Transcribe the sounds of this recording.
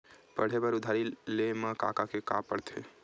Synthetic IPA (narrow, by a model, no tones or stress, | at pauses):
pəɽ̤ebəɾʊd̪ʱaːɾilemãka̰ːkakeka̰pəɽt̪ʰḛ